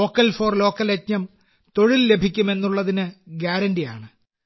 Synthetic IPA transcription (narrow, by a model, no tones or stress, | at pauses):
o̞ːkːɐlfo̞ːrlo̞ːkːɐlet̚ɲɐm | t̪o̞ɻilːe̞bʱikʲːume̞nːuɭːɐðinɨɡaːɾɐndija̰ːɳɨ